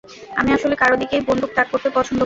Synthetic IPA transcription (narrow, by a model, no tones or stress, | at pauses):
a̰miaʃolekaɾod̪ikejbond̪ʱuk̚t̪ak̚kːoɾt̪epɔt͡ɕʰond̪o